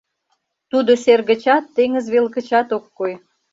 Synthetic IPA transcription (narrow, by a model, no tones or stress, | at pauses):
t̪ud̪oserɣə̆t͡ɕɑt̪ːeŋəzβelkə̆t͡ɕɑt̪okːoj